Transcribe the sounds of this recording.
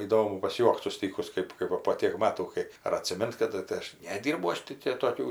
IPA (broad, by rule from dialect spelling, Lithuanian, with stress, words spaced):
iːˈdoːmʊ pɐsʲˈjuɔkt sʊˈsʲtʲiːkʊs ˈkɜp kɐɪ ʋɐ poː ˈtʲeːk ˈmɑːtuː ˈkɐɪ ɐr ɐtʲsʲɪˈmʲɪnt kɐˈdʊ tɐɪ ˈɐʃ nʲɛˈdʲɪrbɐʊ ˈɐʃ tɐɪ tʲeː toːˈkʲuː